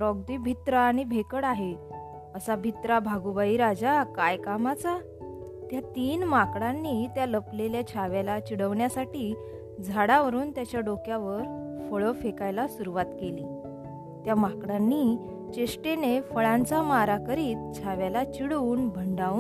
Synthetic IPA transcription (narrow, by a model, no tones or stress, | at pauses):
ɾɔɡ̚d̪iːbʱit̪ɾəːɽ̃ibʱekəɽaɦe | əsabʱit̪ɾabʱaɡubaiːɾad͡zakajkamat͡sa | t̪jat̪iːnmakɽanːit̪jaləpleljat͡ɕʰaʋjalat͡ɕiɽəʋɳjasaʈiː | d͡zʱaɽaʋəɾuːnt̪jat͡ɕjaɖokjaʋəɾfəɭəfekajlasuɾuʋat̪keliː | t̪jamakɽanːiː | t͡ɕeʂʈenefəɭãnt͡samaɾakəɾiːt̪̚t͡ɕʰaʋjalat͡ɕiɽuːnbʱəɳɖa